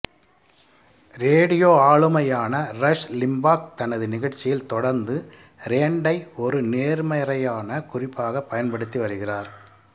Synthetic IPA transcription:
ɾeːɽɪjoːaːɭɯmɐjaːnɐrɐʂlɪmbaːk̚t̪ɐnɐðɯnɪɣɐɻt͡ʃːɪjɪlt̪ɔɽɐɾnd̪ɯ | ɾeːɳɖɐɪɔɾɯneːɾmɐjɾɐjaːnɐkʊrɪpːaːɣɐpːɐjɐnpɐɽɯt̪ːiʋɐɾɯɣɪraːɾ

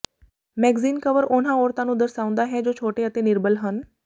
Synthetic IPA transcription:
mɛːɡziːnkəʋəɾʊnãːoːɾt̪ãːnũːd̪əɾsaːʊ̃nd̪aːɦɛːd͡ʒoːt͡ʃʰoːʈeːət̪eːnɪɾbəlɦən

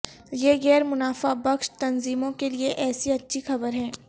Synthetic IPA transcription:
jeːɣɛːɾmʊnaːfabɐkʃt̪ɐnziːmõkelieʔɛːsiɐtːʃʰixɐbəɾɦɛ̃ː

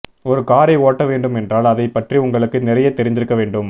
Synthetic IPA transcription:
ɔɾɯkaːɾɐɪoːʈːɐʋeːɳɖɯmɛndraːlɐðɐɪpːɐʈriʊŋɡɐɭɯkːɯnɪɾɐjɐt̪ːɛɾɪnd̪ɪɾɯkːɐʋeːɳɖɯm

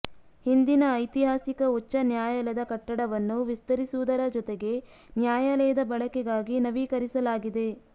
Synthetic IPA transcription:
hind̪inɐːjt̪iɦaːsikɐut͡ʃːɐnjaːjɐlɐd̪ɐkɐʈːɐɽɐʋɐnːuʋist̪ɐɾisuʋud̪ɐɾɐd͡ʒɔt̪eɡe̞ | njaːjɐlɛːjɐd̪ɐbɐɭɐkɛɡaːɡinɐʋiːkɐɾisɐlaːɡid̪e̞

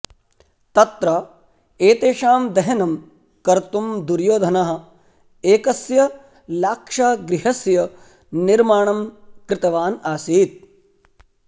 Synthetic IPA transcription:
t̪ɐt̪ɾɐ | eːt̪eːʂaːmd̪ɐɦɐnɐm | kɐɾt̪umd̪uɾjoːd̪ʱɐnaːɦɐ̆ | eːkɐsjɐ | laːkʂaːɡɾɪɦɐsjɐ | niɾmaːɳɐmkɾɪt̪ɐʋaːnaːsiːt̪̚

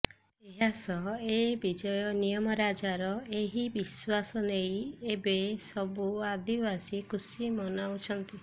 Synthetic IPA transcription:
eɦasɔebid͡ʒɔjɔnijɔmɔɾad͡ʒaɾɔeɦibiswasɔnejebesɔbuad̪ibasikusimɔnaut͡ʃʰɔnt̪i

